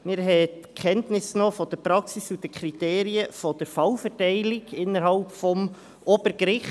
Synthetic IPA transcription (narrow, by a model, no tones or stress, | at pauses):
mɪɾɦɛtkʰɛntnɪsnɔːfɔd̥əɾpɾɑksisudəkʰɾiteːɾiəfɔd̥əɾfɑwfɛɾtɛɪlɪɡɪnːəɾɦɑlpfɔm | ʔɔb̥əɾɡɾɪχt